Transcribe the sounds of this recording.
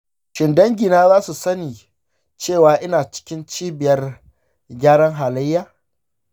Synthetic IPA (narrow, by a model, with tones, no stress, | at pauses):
ʃɪ˨ndɐ˦ŋɡʲi˨naː˦zaː˦su˨sɐ˦niː˨ | t͡ʃeː˦˨waː˨ʔɪ˦naː˨t͡ʃɪ̥˦kʲɪ˦nt͡ʃiː˦bɪ˨jɐ˦r | ɡʲaː˦ɽɐ˦ŋɦaː˨lɐ˦jːaː˦